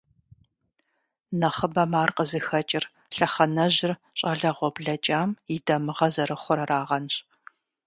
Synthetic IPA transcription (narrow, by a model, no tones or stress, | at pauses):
nɐχəbɐmaːrqəzɨxɐt͡ʃʼɪr | ɬɐχɐnɐʑɪr | ɕʼɐɮɐʁʷɔbɮɐt͡ʃʼaːmjɪdɐmɨʁɐzɐɾɨχʷʊɾɐraːʁɐnɕ